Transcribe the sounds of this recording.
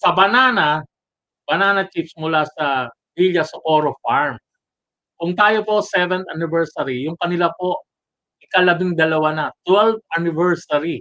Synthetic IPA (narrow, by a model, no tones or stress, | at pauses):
sɐbɐnaːnɐ | bɐnaːnɐt͡ʃifsmʊlasɐ | biʎjɐsɐʔoɾofaɹm | kʊŋt̪aːjopo̞sɛvɛnt̪ʔɐnɪvɛɹsɐɾijʊŋkɐnɪlapo̞ʔ | ʔɪkɐlɐbiŋd̪ɐlɐwanɐt̪wɛlv̚ʔɐnɪvɛɹsɐɾi